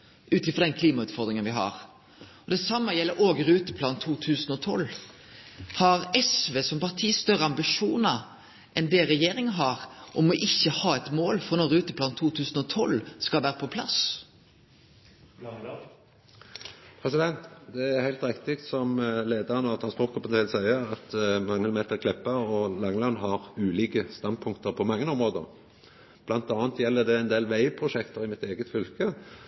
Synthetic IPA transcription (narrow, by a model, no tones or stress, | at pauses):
ʔʉːt̪ɪfɔʁd̪ɛnkʰliːmɑʉːt̪fɔd̪ɾɪŋənʋɪɦɑ̰ɾ | ɔd̪ɛsɑmːəjɛlːəɾʔoːɡəɾʉːt̪əpʰlɑːnt̪ʰuːt̪ʰʉːsn̩ɔt̪ʰɔ̰lː | hɑɾɛsʋeːsɔmpɑʁt̪ʰiːst̪œʁəɑmbɪʂuːnə | ʔɛnd̪ɛɾɛjeːɾɪŋəɦɑɾʔɔmɔʔɪçːəhɑːɛt̪moːlfɾɔnɔɾɾʉːt̪əplɑːnt̪ʰuːt̪ʰʉːsn̩ɔt̪ʰɔlskɑlʋæːɾəpʰɔpʰlɑ̰s | pʰɾɛsɪd̪ɛnt̪d̪ɛæʁhæɪlt̪ɾɪkt̪ɪk̚t̪sɔmleːd̪əʁənəɑʋt̪ʰɾɑnspɔt̪kʰɑpɑnt̪ʰæɪlsæɪəɾɑt̪mɑŋəlmeːt̪əʁkʰlɛpːəɔlɑŋlɑnɦɑʁʉːliːkəst̪ɑnd̪̚pʰʊŋkt̪əɾpʰɔmɑŋːənɔmʁoːd̪ə̰ʁ | b̥lɑnt̪ɑːnt̪jɛlːəd̪ɛɛɪnd̪eːlʋæɪpʰʁʊʃɛkt̪əʁɪmɪt̪eːɡət̪fʏlkə